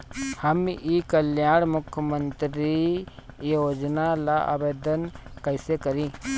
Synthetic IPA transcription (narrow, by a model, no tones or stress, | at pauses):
həmikəljaːɽ̃mʊkʰjəmənt̪ɾi | joːd͡ʒnalaʔa̰beːd̪ənkəɪsekəɾĩ